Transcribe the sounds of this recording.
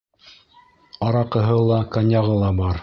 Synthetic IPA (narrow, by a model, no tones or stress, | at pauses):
ɑɾɑqɤ̆ɦɤlˠɑkanʲjɑʁɤlˠɑbɑɾ